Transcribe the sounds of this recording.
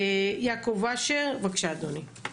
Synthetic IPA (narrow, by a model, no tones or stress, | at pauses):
ejakovaʃeʁvakʃad̪oni